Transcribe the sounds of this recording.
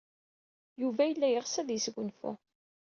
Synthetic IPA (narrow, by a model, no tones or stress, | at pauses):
juvæjəlːæjəʁsæðjəsɡʷʊnfṵ